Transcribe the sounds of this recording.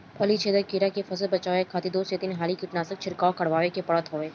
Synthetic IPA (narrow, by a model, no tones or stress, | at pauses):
ɐlit͡ʃʰeːd̪əkiɾakefɐsəlbɐt͡ʃaːʋekʰaːt̪id̪oːset̪inɦaːlikɪʈnaːsək̚t͡ʃʰɪɾkaːokɐɽʋaːʋekepɐɽət̪ɦoːʋeː